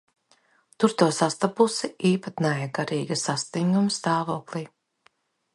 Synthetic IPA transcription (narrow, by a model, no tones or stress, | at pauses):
t̪uɾt̪uɔsast̪apusiiːpat̪najɛɡaɾiːɡɐsast̪iŋɡumst̪aːvoɔklˠiː